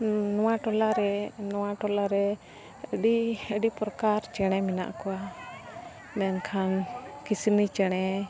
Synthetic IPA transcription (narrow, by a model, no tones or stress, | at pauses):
nɔwaʈɔlaɾɛnɔwaʈɔlaɾɛ | əɖiəɖipɾɔkaɾt͡ʃɛɽ̃ɛmina̰ʔkɔwa | mɛnkʰankisinit͡ʃɛɽ̃ɛ